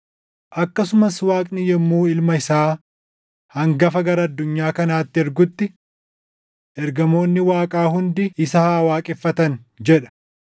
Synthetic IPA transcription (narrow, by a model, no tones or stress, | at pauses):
ʔɐkːɐsʊmɐswaːkʼnɪjɛmːuːɪlmɐɪsaː | hɐŋɡɐfɐɡɐɾɐɐd̪ːʊɲːaːkɐnaːt̪ːɪɛɾɡʊt̪ːɪ | ʔɛɾɡɐmo̞ːnːɪwaːkʼaːɦʊnd̪ɪɪsaːwaːkʼɛfːɐt̪ɐnd͡ʒɛᶑɐ̥